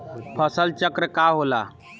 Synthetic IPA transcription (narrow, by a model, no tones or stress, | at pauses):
pʰəsəlt͡ʃəkɾəkaɦola̰